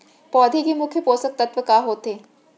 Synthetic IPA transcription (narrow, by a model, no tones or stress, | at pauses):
pɔːd̪ʱikemʊkʰjəpoːsək̚t̪ɐt̪ʋəkaːɦoːt̪eː